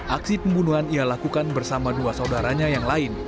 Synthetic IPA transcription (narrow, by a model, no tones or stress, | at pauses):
ʔaksipəmbunuɦanialakukanbərsamaduasaudaɾaɲajaŋlaɪn